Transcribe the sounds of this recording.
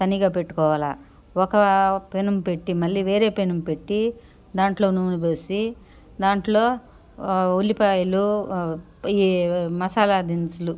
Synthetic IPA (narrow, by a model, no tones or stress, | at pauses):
t̪ɐniɡaːpe̞ʈːu̥kɔːʋaːlaː | ɔkɐpenumpe̞ʈːimɐlːiːʋe̞ːɾe̞ːpenumpe̞ʈːi | d̪aːɳʈlo̞ːnuːnibeːsi | d̪aːɳʈlo̞ː | ulipaːjɐlu | imɐsaːlad̪insulu